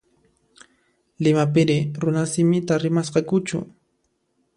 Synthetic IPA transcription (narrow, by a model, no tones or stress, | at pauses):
lɪmap̬ɪɾɪɾʊnasɪmɪt̪aɾɪmasqɑkʊt͡ʃʊ̰